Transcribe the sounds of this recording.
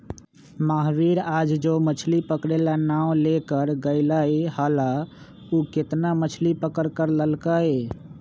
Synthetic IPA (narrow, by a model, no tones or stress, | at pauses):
maɦʋiɾad͡ʒd͡ʒomət͡ʃʰlipəkɾelanaw̃lekəɾɡəɪlaihala | uket̪namət͡ʃʰlipəkəɾkəɾləlkae